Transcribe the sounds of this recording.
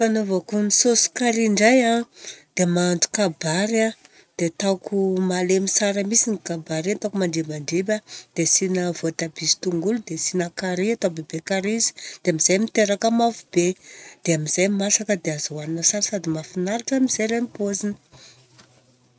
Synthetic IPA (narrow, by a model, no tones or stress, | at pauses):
fanovakumisosu̥kaɾiɳɖ͡ʐajad̪̥emaɳɖ͡ʐu̥kabaɾa | d̪̥et̪akʰumalemisaɾəmisinikabaɾent̪akumaɳɖ͡ʐemaɳɖ͡ʐebad̪̥esinavot̪ab̥izi̥t̪uŋɡulud̪esinakaɾeat̪abebekaɾizi̥d̪̥eamiz̥ajmit̪eɾakəmafubed̪̥eamiz̥ajmasakəd̪eazawaninəsaɾsad̪imafinaɾiʈ͡ʂamizajɾajmipozinə̥